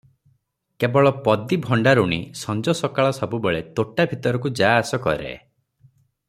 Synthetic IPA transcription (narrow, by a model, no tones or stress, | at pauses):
kebɔɭɔpɔd̪ibʱɔɳɖaɾuɽ̃isɔnd͡ʒɔsɔkaɭɔsɔbubeɭet̪oʈabʱit̪ɔɾɔkud͡ʒaːsɔkɔ̰ɾḛ